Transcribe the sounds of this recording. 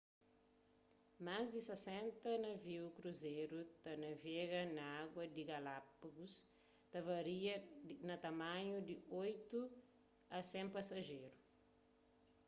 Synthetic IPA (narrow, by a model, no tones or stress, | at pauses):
mazd̪isesɛ̃nt̪ɐnɐviwkɾuzeɾut̪ɐnɐveɣɐnɐaɡwɐd̪iɡɐlapɐɡus | t̪ɐvɐɾiɐnɐt̪ɐmãɲud̪iojt̪u | ɐsɛ̃mpɐsɐʒeɾu